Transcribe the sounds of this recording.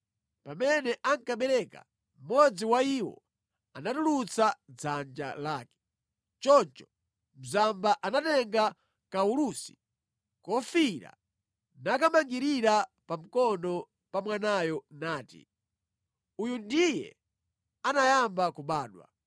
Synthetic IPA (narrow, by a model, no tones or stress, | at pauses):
pamɛnɛʔaŋkaɓɛɾɛka̰ | m̩mɔd͡ziwaiwɔ̰ | anatulut͡sʰad͡zand͡ʒa̰laːkɛ̥ | t͡ʃɔnt͡ʃɔ̥ | m̩zambaʔanatɛŋɡa | kaulusi̥ | kɔfiɾa̰ | nakamaŋɡiɾiɾa | pam̩kɔnɔ | pamwanajɔnaːtḭ | ujundijɛ̰ | anajambakuɓaːɗwa̰